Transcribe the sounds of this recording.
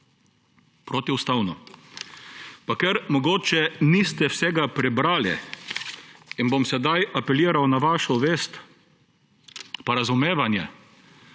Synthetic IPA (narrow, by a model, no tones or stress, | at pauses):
pɾoːt̪iʊst̪awnɔ | pakɛɾmɔɡoːt͡ʃɛnist̪ɛwsɛɡapɾɛbɾaːlɛ̰ | inbomsɛd̪ajapɛljiːɾawnaʋaːʃɔʋeːst̪ | paɾazʊmeːʋanjɛ̰